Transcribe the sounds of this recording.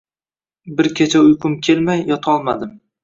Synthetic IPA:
bɪɾkʲʰet͡ʃʰaʊjqʰʊmkʲʰe̞lmajːɒt̪ʰɒlˠma̰d̪ɪm

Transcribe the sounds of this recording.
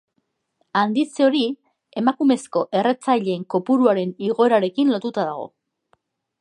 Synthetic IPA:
and̪it͡seo̞ɾi | e̞makume̞sko̞ʔe̞re̞t͡sajʎe̞ːŋko̞puɾuaɾe̞niɣo̞eɾaɾe̞kinlo̞t̪ut̪aðaɣ̞o̞̰

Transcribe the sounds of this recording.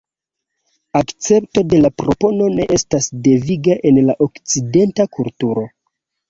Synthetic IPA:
akt͡se̞pto̞de̞lapɾo̞po̞no̞ne̞ʔe̞stasde̞viɡaʔe̞nlaʔo̞kt͡side̞ntakultuɾo̞

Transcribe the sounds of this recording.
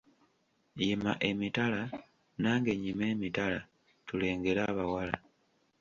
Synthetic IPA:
jima̰ʔe̞mitala | naːŋɡe̞ɲime̞ːmitala | tule̞ːŋɡe̞ɾaːβawala̰

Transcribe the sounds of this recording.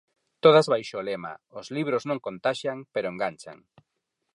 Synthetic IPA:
t̪oð̞azβajʃoːlema̰ʊzliβɾoznõŋkont̪aʃjaŋpeɾoeŋɡant͡ʃa̰ŋ

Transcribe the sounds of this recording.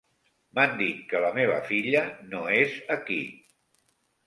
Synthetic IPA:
mand̪it̪̚kələmeβ̞ə̰fiʎənoezəkḭ

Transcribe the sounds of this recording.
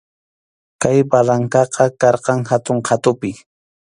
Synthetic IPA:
kajbalaŋkɑqʰɑkɑɾqɑŋhat̪ʊɴqʰɑt̪ʊpɪ

